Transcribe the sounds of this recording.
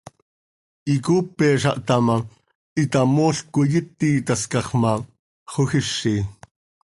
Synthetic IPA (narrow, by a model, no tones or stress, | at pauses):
ʔikuːpːɛːʃɑ̰ʔt̪ama | it̪amoːɬkojɪt̪ːiːt̪ɑskɑχmɑ | χoxiʃːi